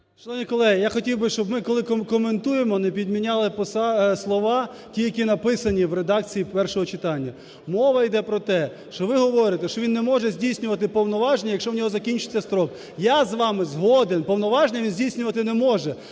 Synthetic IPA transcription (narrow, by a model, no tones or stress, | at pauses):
ʃlˠɔʋnʲikɔlˠɛɦɪjaxɔtʲiwbɪʃt͡ʃɔbmɪkɔlˠɪkkɔment̪ujemɔnɛpʲid̪mʲinʲɑlˠɪpɔsɑslˠɔʋɑ | tʲijɐkʲinɐpɪsɐnʲiwɾed̪ɑk̚t͡sʲijipɛrʃɔɦɔt͡ʃɪt̪ɑnʲːɐ | mɔʋɐjd̪ɛpɾɔt̪ɛ | ʃt͡ʃɔʋɪɦɔʋɔɾɪt̪ɛʃt͡ʃɔʋinːɛmɔʒɛzʲdʲijsʲnʲʊʋɐt̪ɪpɔwnɔʋɑʒnʲijɐkʃt͡ʃɔwnʲɔɦɔzɐkʲinʲt͡ʃɪ̥t͡sʲːɐst̪ɾɔk | jazʋɑmɪzɦɔd̪enpɔwnɔʋɑʒnʲɛʋinzʲdʲijsʲnʲʊʋɐt̪ɪnɛmɔʒɛ